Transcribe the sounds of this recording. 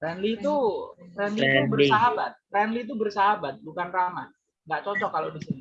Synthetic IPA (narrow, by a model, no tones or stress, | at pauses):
rɛnlit̪urɛnliubərsaɦabat̪̚rɛnlit̪̬ubərsaɦabat̪̚bukanrama̰ | ŋɡaʔt͡ʃɔt͡ʃɔkːalodisini